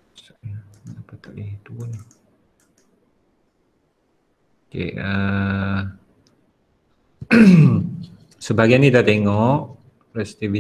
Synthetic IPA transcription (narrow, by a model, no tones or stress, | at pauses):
salnapət̪aʔliht̪uni | okḛə | səbaɡajanĩdat̪eŋɔʔ | ɾɛst̪ivi